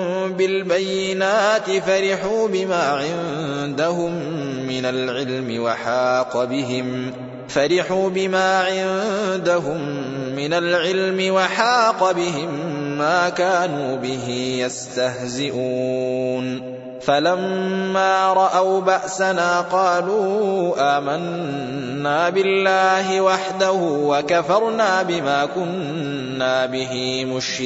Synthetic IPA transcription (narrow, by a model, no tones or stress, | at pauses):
bɪlbajːɪnaːt̪ɪfaɾɪħuːbɪmaːʕɪnd̪aɦʊmː | ɪnalʕɪlmɪwɑħaːqbɪɦɪm | faɾɪħuːbɪmaːʕɪnd̪aɦʊmː | ɪnalʕɪlmɪwaħaːqɑbɪɦɪmːaːkaːnuːbɪɦiːjast̪ahzɪʔuːn | falamːaːɾˤɑʔawbaʔsanaːqɑːluːʔaːmanː | aːbɪlːaːɦɪwaħd̪ahuʊwakafɑɾˤnaːbɪmaːkʊnː | aːbɪɦimʊʃɪ